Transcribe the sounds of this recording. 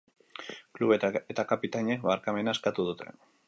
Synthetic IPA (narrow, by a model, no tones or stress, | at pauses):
kluβeet̪akapit̪aɲek̚βaɾkame̞naeskat̪uð̞ut̪ʰe̞̰